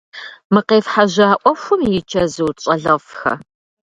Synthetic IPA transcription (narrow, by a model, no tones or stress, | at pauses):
mɨqeːfħaʑaːʔʷɔxʷʊmjɪt͡ʃʰɐzɨwɕʼɐɮɐfxɐ̰